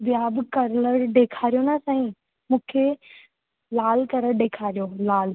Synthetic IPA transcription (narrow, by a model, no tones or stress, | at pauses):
bɪjaːbɪkɐɾləɽɖeːkʰaːɾijonasaːĩ | mũːkʰe | laːlkɐɾəɽɖeːkʰaːɾijolaːl